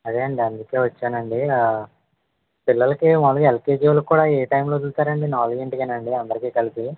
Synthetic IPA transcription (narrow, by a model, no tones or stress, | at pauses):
ɐd̪eːɐɳɖiɐnd̪uke̞ːʋɐt͡ʃːaːnɐɳɖi | pilːɐlɐkimɐlɐɡelkeːd͡ʒilɐkːuːɽaːeːʈɐjmlo̞ːt̪ult̪aːɾɐɳɖinaːlɐɡeɳʈikɐːnɐɳɖiɐnd̪ɐɾikiːkɐlipi